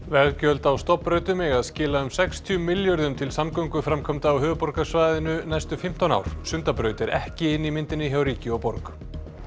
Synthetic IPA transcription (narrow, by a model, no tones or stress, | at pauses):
vɛɣcœlt̪awst̪ɔpɾœːɥt̪ʏmɪɣaðscɪːlaʏmsɛkst̪ʰjʏmɪljœɾðʏmt̪ʰɪlsamkœɥŋkʏfɾamkʰɔmt̪aːwɦœːvʏpɔɾkasvaːjðɪnʏnajst̪ʏfɪm̥t̪ana̰wɾ̥sʏnt̪apɾœːɥt̪ɛɾɛhcɪɪnːimɪnt̪ɪnːɪɦawɾiːcɪɔpɔɾk